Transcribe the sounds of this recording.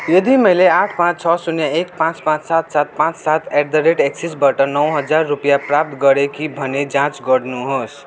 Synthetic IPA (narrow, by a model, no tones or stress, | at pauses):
jʌd̪imʌɪleaʈʰpãt͡ʃt͡ʃʰʌsuneek̚pãt͡ʃpãt͡ʃsat̪sat̪̚pãt͡ʃsat̪ʰeɖd̪əɾeʈeksisbaʈʌnʌwɦʌd͡ʒaɾːupjapɾap̚t̪ɡʌɾekibʱʌned͡ʒãt͡ʃɡʌɽnuɦos